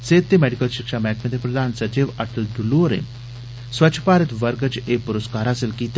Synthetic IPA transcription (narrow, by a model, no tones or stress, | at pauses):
set̪ːemɛɽikəlɕikʂamɛkməd̪ʱjəpɾəd̪ʱaːnsət͡ɕiʋaʈəlɖ̪uloɾḛ̃ | sʋət͡ɕʰpaːɾət̪ʋəɾɡət͡ɕepuɾəskaɾaseːlkit̪